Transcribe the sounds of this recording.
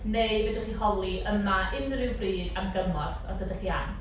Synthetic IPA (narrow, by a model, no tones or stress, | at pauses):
neɨvədɔχihɔlˠiʔəmaɪnrɪwbriːdamɡəmɔrθɔ̰sədəχian